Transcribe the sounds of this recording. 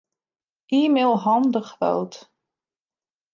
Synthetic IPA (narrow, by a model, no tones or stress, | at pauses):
ʔiːmelˠɦɑndəχvɛ̰lˠt